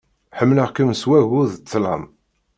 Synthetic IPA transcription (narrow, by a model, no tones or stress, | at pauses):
ħəmːləʁkəmswæɣuðt͡sːlɑ̰m